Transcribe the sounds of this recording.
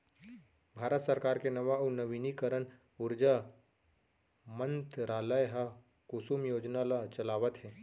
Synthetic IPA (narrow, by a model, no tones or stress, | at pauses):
bʱaːɾət̪səɾkaːɾkenɐʋaunəʋinikəɾən | ʊɾd͡ʒa | mə̃nt̪ɾaːləjɦa | kusuːmjoːd͡ʒnalat͡ʃɐlaːʋət̪ɦɛː